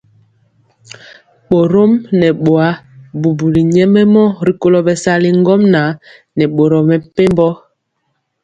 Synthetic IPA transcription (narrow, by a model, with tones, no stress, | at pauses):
ɓo˨ɾo˦mnɛ˨ɓo˨a˦bu˨bu˨li˨ɲɛ˦mɛ˦mɔ˦ɾi˨ko˦lɔ˨bɛ˨sa˦li˨ŋ˦ɡɔ˦mna˨˦ | nɛ˨ɓo˨ɾɔ˨mɛ˨pe˦mbɔ˦